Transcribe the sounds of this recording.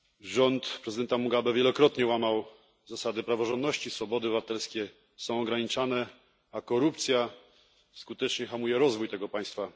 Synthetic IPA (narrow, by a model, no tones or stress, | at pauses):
ʐɔnt̪pɾɛzɨd̪ɛnt̪amuɡabɛvʲjɛlɔkɾɔt̪ɲɛwamaw | zasad̪ɘpɾavɔʐɔnd̪nɔɕt͡ɕisfɔbɔd̪ɘbɘvat̪ɛlskʲɛ | sɔ̃w̃ɔɡɾaɲit͡ʂanɛ | akɔɾup̚t̪sʲja | skut̪ɛt͡ʂɲɛxamujɛɾɔzvujt̪ɛɡɔpaj̃st̪fa